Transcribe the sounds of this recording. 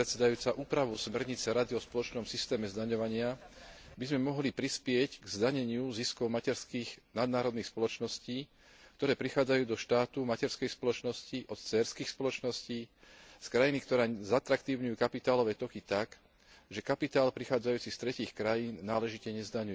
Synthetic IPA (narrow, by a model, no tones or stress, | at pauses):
ɾɛt̪sɛd̪ajuːt͡saʔuːpɾaʋusmɛɾɲit͡sɛɾad̪iɔspɔlɔt͡ʃnɔmsist̪ɛːmɛzd̪aɲɔʋaɲɪabizmɛmɔɦlipɾispɪɛcɡzd̪aɲɛɲɪuziskɔʊmacɛɾskiːɣnad̪naːɾɔd̪niːxspɔlɔt͡ʃnɔsciː | kt̪ɔɾɛːpɾixaːd͡zajuːd̪ɔʃt̪aːt̪umacɛɾskɛjspɔlɔt͡ʃnɔsciʔɔt̪t͡sɛːɾskiːxspɔlɔt͡ʃnɔsciː | skɾajinikt̪ɔɾaːzat̪ɾakt̪iʊɲujuːkapit̪aːlɔʋɛːt̪ɔkit̪ak | ʒɛkapit̪aːlpɾixaːd͡zajuːt͡sist̪ɾɛciːxkɾajiːnːaːlɛʒicɛɲɛzd̪aɲuɛ